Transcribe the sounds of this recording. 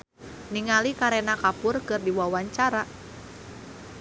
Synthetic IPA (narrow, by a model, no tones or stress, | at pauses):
niŋalikaɾɛnakapʊrkɨrdiwawaɲt͡ʃaɾa